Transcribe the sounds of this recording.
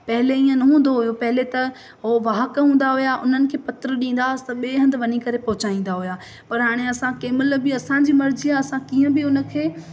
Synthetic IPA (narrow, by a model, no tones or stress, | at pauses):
pɐɦɪleiːə̃nɐɦũːn̆d̪oɦʊjopɐɦɪlet̪ɐ | ɦoʋaːɦəkɦũːn̆d̪aɦʊjaʔʊ̰n̤ənɪ̆kʰeːpɐt̪ɾəɗĩːn̆d̪asɪ̥t̪ɐɓeːɦɐ̃nd̪ɪʋɐnikɐɾepɐɦʊt͡ɕaːĩːn̆d̪aɦʊjaː | pɐɾɦaːɽ̃eɐsãkeːmɪlbɪɐsãd͡ʑiːmɐɾd͡ʑiaɐsãkiːə̃bɪʊnə̆kʰeː